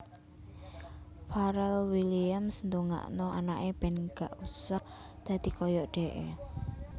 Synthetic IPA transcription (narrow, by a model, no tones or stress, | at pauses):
faɾɛlwiliamsnd̪uŋa̰ʔnɔa̰naʔeb̥ɛnɡ̥aʔusah | d̪̥ä̤d̪̥i̤kɔjɔʔɖ̥ɛ̤ʔḛ